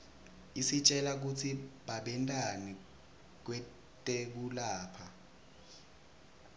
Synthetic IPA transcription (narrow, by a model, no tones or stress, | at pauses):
isit͡ʃʼɛlak̬utʰiɓaɓɛntʼani | k̬wɛ | tʼek̬ulaːpʰa